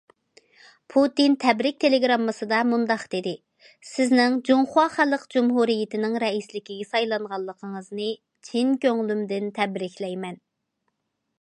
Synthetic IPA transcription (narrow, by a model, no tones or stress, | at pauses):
pʰut̪int̪ʰɛbɾɪk̚ʲt̪ʰeleɡɾɑmːɨsɨd̪ɑmund̪ɑqd̪ed̪ɪ | sɪznɪŋd͡ʒuŋχʊwɑχælˠəqd͡ʒumɦuɾijɪt̪ɪnɪŋɾɛislɪkʲiɡʲɛsɑjlˠɑɴʁɑlˠːəqʰəŋəznɨ | t͡ʃʰinkʲøŋlymd̪ɪnt̪ʰɛbɾɪkʲlɛjmɛn